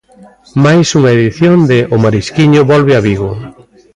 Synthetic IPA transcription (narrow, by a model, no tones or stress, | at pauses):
majsuŋɐeðiθjond̪ɪʔʊmaɾiskiɲʊβɔlβɪaβiɣʊ